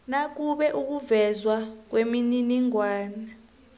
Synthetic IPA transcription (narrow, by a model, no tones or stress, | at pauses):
nak̬uɓɛʔuk̬uvɛzwak̬wemininiŋwaːna